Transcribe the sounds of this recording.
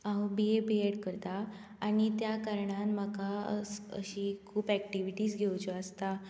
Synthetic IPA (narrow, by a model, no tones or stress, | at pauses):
ãwbiebieɽkəɾt̪aː | ñit̪jakaɾɳanməkaəsə̰ɕikʰuːpæk̚ʈiʋiʈiːsɡʱewt͡ɕɔəst̪a